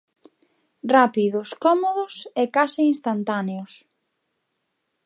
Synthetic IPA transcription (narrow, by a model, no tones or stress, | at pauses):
rapiðʊskɔmoðʊsekasiːnst̪ant̪aneʊs